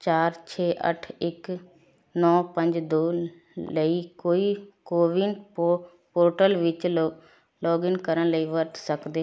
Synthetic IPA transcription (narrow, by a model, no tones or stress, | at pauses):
t͡ʃaːɾt͡ʃʰeːʔə̰ʈʰɪk | nɔːpə̃ɲd͡ʒd̪oː | ləiːkoːiːkoːʋɪn | poːɾʈəlʋɪt͡ʃ | lɔːɡɪnkəɾənləiːʋəɾt̪səkd̪eː